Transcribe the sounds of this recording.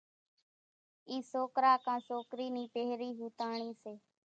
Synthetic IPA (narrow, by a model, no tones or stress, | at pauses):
iːsoːkɾaːkãːsoːkɾiːniːpeːɦɾiːɦuːt̪aːɳ̃iːseː